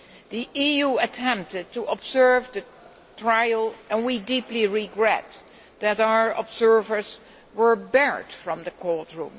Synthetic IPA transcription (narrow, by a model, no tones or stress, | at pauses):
ðiʔijuɨtʰɛ̃mp̚tɨd̚tuʔəbzɜ˞vðɨ | tʰɹaɪlˠɛ̃nwidipliɹiɡɹɛ̰t | ðɨɾaə˞ʔɔbzɜ˞və˞z | wə˞bɛɹd̥fɹʌ̃mðɨkʰɔɹtɹṵ̃m